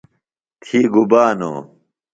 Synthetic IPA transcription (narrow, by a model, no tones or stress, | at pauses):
t̪ʰiːɡubaːno̰ː